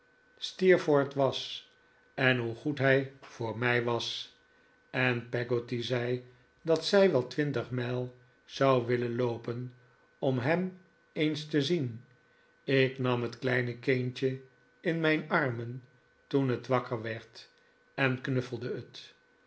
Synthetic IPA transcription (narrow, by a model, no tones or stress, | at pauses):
stiɹfoɹtʋɑs | ɛnɦuχutɦɛjv̥ʊːɹmɛjʋɑs | ɛnpɛɡotizɛj | dɑtsɛjʋɛlˠtʋɪntəχmɛlˠ | z̥ɑwʋɪlənloʊpən | ɔmɦɛm | ejnstəzin | ɪknɑmɦətklɛjnəkent͡ʃə | ɪnmɛjnɑɹmən | tunɦətʋɑkəɹʋɛɹt | ɛnknɵfəl̩ˠdəət